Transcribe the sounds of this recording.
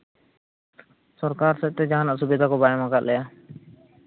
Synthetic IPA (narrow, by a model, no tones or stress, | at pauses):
sɔɾkaɾsɛʔt̪ɛd͡ʒaɦanaʔsubid̪ʱakɔbajamaɡaʔ̪̚lɛja